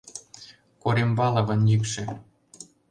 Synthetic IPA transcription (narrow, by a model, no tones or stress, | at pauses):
koɾembɑlɤ̆βɤ̆njikʃĕ